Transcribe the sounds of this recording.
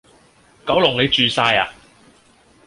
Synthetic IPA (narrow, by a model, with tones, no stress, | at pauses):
kɐ˨˥wlʊ˨ŋle˨˧jt͡ʃyː˨˧saː˧ja̰ː˨˧